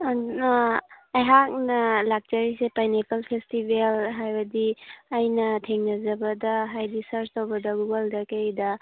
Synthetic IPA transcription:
ɐjɦak̚nɐlak̚d͡ʒɐɾisepajnekɐlpʰestibelɦajbɐdiːjnɐtʰeŋnɐzɐbɐdɐɦajdisɐɾstowbɐdɐɡuɡaldɐkejdɐ

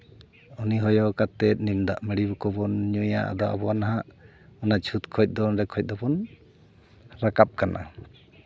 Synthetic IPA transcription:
ɔniɦɔjɔkat̪ɛt̪̚ˀnimd̪a̰ʔmɛɽibɔkɔbɔnɲuja̰ʔa̰d̪ɔa̰bɔwanaɦaʔ | ɔnat͡ʃʰut̪kʰɔjc̪̚d̪ɔnɾɛkʰɔjc̪̚ˀd̪ɔbɔn | ɾakap̚kanʔa̰

